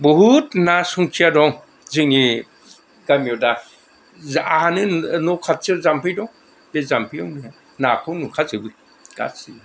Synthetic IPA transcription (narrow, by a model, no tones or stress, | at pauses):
bɔɦutnasuŋkʰiadɔŋ | zɯŋi | ɡamiɔda | zahanɯnɔkʰat̚zɯzampʰɯjdɔ | bezampʰɯawnɯa | nakʰɯwnukʰat̚zɯbɯ | ɡ̥a̰tsi